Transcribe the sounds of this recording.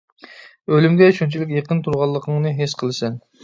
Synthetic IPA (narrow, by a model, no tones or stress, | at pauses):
ølymɡʲɛʃunt͡ʃʰilɪkʲjeqənt̪ʰuɾʁɑlˠːəqʰəŋnɨɦesqʰəlˠɨsɛn